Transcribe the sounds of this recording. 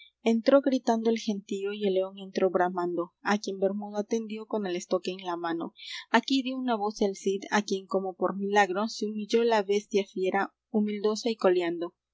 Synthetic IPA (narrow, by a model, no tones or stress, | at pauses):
e̞nt̪ɾo̞ɣɾit̪and̪o̞elxe̞nt̪ioie̞le̞o̞ŋe̞nt̪ɾo̞βɾamãnd̪o̞akje̞mbe̞ɾmuðoat̪e̞nd̪jo̞ko̞ne̞le̞st̪o̞ke̞ːnlamano̞̰akiðjo̞unaβo̞selsid̪akje̞ŋko̞mo̞po̞ɾmilaɣɾoseumiʝo̞laβe̞st̪jafje̞ɾa | umild̪o̞saiko̞ljand̪o̞